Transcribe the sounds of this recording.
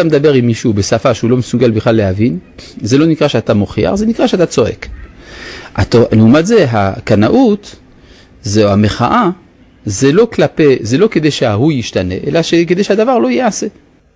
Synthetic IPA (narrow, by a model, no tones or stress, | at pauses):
amed̪abeʁimːiʃubesafaʃeulo̞mesuɡalbiχlalːehavinze̞lo̞nikʁaʃeat̪amoχia̰χze̞nikʁaʃeat̪at͡so̞ʔe̞̰k | a̰t̪oneumat̪ze̞ɦakanaʔut̪ | zehameχaʔa | zelo̞klapezelo̞ked̪e̞jʃeahujiʃtane̞ʔḛlaʃeked̪e̞jʃead̪avaʁlo̞jease̞